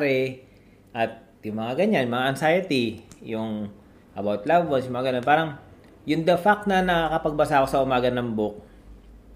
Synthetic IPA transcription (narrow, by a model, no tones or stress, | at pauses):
ɾɛ | ʔɐt̪̚ | jʊŋmɐŋaɡɐɲanjʊŋmɐŋaʔɐnsajɐt̪ijʊŋ | ʔɐbawt̪labonsjʊŋmɐŋaɡɐnonpaːɾɐŋ | jʊŋd̪ɐfak̚t̪nɐnɐkɐpɐɡ̚bɐsaːko̞sɐʔʊmaːɡɐnɐmbok̚